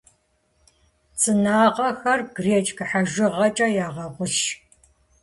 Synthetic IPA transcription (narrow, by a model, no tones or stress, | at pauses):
t͡sʼɨnaːqɐxɐrɡreːt͡ʃʼkɨħaʒɪʁɐt͡ʃʼɐjaːʁɐʁʷʊʃ